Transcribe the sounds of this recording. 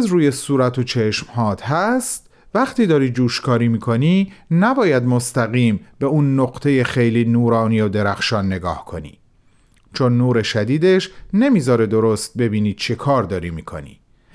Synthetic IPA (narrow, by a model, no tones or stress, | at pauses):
zɾuːje̞suːɾæt̪ʰot͡ʃʰe̞ʃmhɒːt̪ʰɦæst̪̚ | væχt̪iːd̪ɒːɾiːd͡ʒuːʃkʰɒːɾiːmiːkʰo̞niːnæbɒːjæd̪most̪æɣiːmbe̞uːnːoqt̪ʰe̞je̞xejliːnuːɾɒːniːjod̪e̞ɾæxʃɒːnːe̞ɡɒ̰ːhkʰo̞nḭː | t͡ʃʰonːuːɾe̞ʃæd̪iːd̪e̞ʃne̞miːzɒːɾe̞d̪o̞ɾost̪̚be̞biːniːd̪̚t͡ʃʰe̞kʰɒːɾd̪ɒːɾiːmiːkʰo̞̰nḭː